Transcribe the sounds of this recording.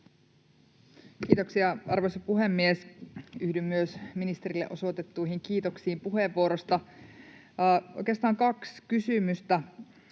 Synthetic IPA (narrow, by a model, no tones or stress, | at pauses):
kiːt̪oksiɑɑrʋojsɑpuɦemːiesyhdymːyøsminist̪e̞ɾilːeʔoso̞t̪et̪ːuiɦiŋkiːt̪o̞ksiːmpuheʋːuoɾost̪ɑ | ʔo̞jkeɑst̪ɑːŋkɑkskysymyst̪æ